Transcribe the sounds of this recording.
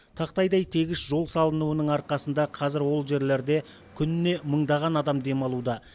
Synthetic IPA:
t̪ʰɑqt̪ɑjd̪ɑjt̪ʰe̞ɡʲɪsʒo̞lˠsɑlˠənuwənəɴɑɾqɑsənd̪ɑqʰɑzɪɾwo̞lˠʒe̞ɾle̞ɾd̪e̞ | kʲʰʏnɪne̞məɴd̪ɑʁɑnɑd̪ɑmd̪e̞mɑlˠud̪ɑ

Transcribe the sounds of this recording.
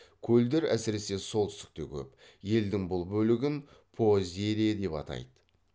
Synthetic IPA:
kʲʰɵld̪eɾæ̰sɪɾe̞se̞so̞lˠt̪ʰʏst̪ɪ̥k̚t̪e̞kʲʰɵ̰p | je̞ld̪ɪŋbʊlˠbɵlɪɡʲɪn | pʰoze̞ɾe̞d̪e̞pɑ̰t̪ɑ̰jd̪ə

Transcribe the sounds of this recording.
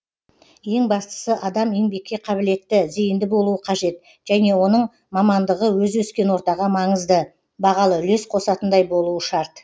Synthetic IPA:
je̞ŋbɑst̪ə̥səʔɑd̪ɑmeŋbe̞kʲːe̞qʰɑbɪle̞t̪ːɪzejɪnd̪ɪbo̞lˠuəqʰɑʒe̞t̪ | ʒ̥æne̞wo̞nəɴ | mɑmɑnd̪əʁəwɵzwɵskʲe̞nwo̞ɾt̪ɑʁɑmɑɴəzd̪ə | bɑʁɑlˠəʏle̞sqʰo̞sɑt̪ənd̪ɑjbo̞lˠuəʃɑɾt̪

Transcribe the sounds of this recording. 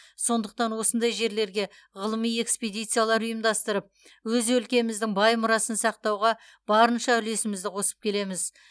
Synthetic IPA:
so̞nd̪əq̚t̪ɑnwo̞sənd̪ɑjʒe̞ɾle̞ɾɡʲe̞ | ʁəlˠəmije̞ksped̪ijt̪sɨjalˠɑɾʊjəmd̪ɑst̪əɾəp̚ | wɵzɵlkʲe̞mɪzd̪ɪŋbɑjmʊɾɑsənsɑq̚t̪ɑwʁɑ | b̥ɑɾənʃɑʏle̞sɪmɪzd̪ɪqʰo̞sə̥p̚kʲʰe̞le̞mɪz

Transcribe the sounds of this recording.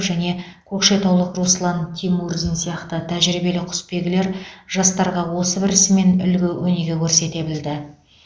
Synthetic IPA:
pʒæne̞kʲʰɵkʃe̞t̪ʰowlˠəqruslˠɑnt̪ʲʰimurzinsijɑqt̪ət̪ʰæʒɾibe̞lɪqʰʊ̥spe̞ɡʲɪle̞ɾʒ̥ɑst̪ɑɾʁɑwo̞səbɪɾɪsɪme̞nʏlɡʲɪwɵne̞ɡʲe̞kʲʰɵɾse̞t̪e̞bɪld̪ɪ

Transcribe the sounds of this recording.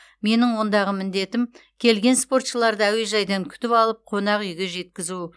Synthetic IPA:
me̞nɪŋwo̞nd̪ɑʁəmɪnd̪e̞t̪ɪmkʲʰe̞lɡʲe̞nspo̞rt̪ʃəlˠɑɾd̪əæwe̞ʒɑjd̪ɑŋkʲʰʏ̥t̪ɪpɑlˠəp̚qʰo̞nɑqʏjɡʲe̞ʒe̞t̪kʲɪzu

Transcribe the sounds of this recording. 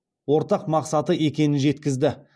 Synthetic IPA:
wo̞ɾt̪ɑqmɑqsɑt̪əe̞kʲe̞nɪnʒe̞t̪kʲɪzd̪ɪ

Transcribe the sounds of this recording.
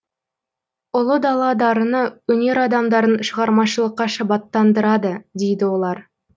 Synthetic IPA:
ʊlˠəd̪ɑlˠɑd̪ɑɾənəwɵne̞ɾɑd̪ɑmd̪ɑɾənʃəʁɑɾmɑʃəlˠəqːɑʃɑbɑt̪ːɑnd̪əɾɑd̪əd̪ejd̪ɪwo̞lˠɑɾ

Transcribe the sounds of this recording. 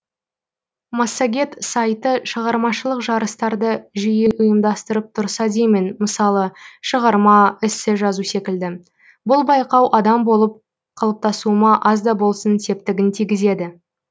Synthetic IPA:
mɑsːaɡʲe̞t̪sajt̪əʃəʁɑɾmɑʃəlˠəqʒɑɾəst̪ɑɾd̪əʒijɪʔʊjəmd̪ɑst̪əɾəp̚t̪ʰʊɾsɑd̪ejmɪnməsɑlˠəʃəʁɑɾmɑɪsɪʒɑzuse̞kʲɪld̪ɪ | bʊlˠbɑjqɑwʔɑd̪ɑmbo̞lˠəp̚ | qʰɑlˠəp̚t̪ɑsumɑʔɑzd̪ɑbo̞lˠsənse̞p̚t̪ɪɡʲɪnt̪ʰijɡʲɪze̞d̪ɪ

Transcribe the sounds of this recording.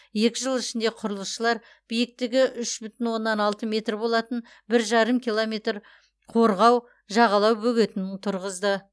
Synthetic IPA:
je̞kʲɪʒəlˠɪʃɪnd̪e̞qʰʊɾəlˠəsʃəlˠɑɾ | b̥ijɪk̚t̪ɪɡʲɪʔʏʃbʏt̪ɪnwo̞nːɑnɑlˠt̪əmʲe̞t̪rbo̞lˠɑt̪ən | bɪɾʒɑɾəmkʲʰijlˠome̞t̪r | qʰoɾʁɑw | ʒɑʁɑlˠɑwbɵɡʲe̞t̪ɪnɪŋt̪ʰʊɾʁəzd̪ə

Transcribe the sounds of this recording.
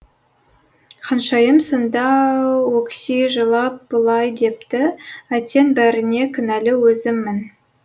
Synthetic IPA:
qʰɑnʃɑjəmsənd̪ɑwɵkʲsiʒəlˠɑp̚b̥əlˠɑjd̪e̞p̚t̪ɪæt̪e̞nbæɾɪne̞kʲʰʏnælɪwɵzɪmːɪn

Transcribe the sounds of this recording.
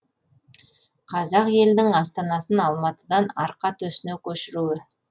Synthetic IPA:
qʰɑzɑqje̞ld̪ɪŋɑst̪ɑnɑsənɑlˠmɑt̪əd̪ɑnɑɾqɑt̪ɵsɪnekʲʰɵʃɪɾuwɪ

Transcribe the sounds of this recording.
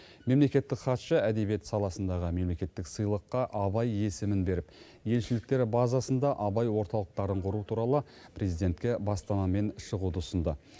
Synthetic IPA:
me̞mle̞kʲe̞t̪ːɪkχɑt̪ʃəæd̪ebije̞t̪sɑlˠɑsənd̪ɑʁəme̞mle̞kʲe̞t̪ːɪksɨjlˠəqːɑʔɑβɑje̞sɪmɪnbe̞ɾɪp | je̞lʃɪlɪk̚t̪e̞ɾbɑzɑsənd̪ɑʔɑbɑjwo̞ɾt̪ɑlˠəq̚t̪ɑɾəɴqʰʊɾut̪ʰuɾɑlˠə | pʰɾezijd̪e̞nt̪kʲe̞bɑst̪ɑnɑme̞nʃəʁud̪əsənd̪ə

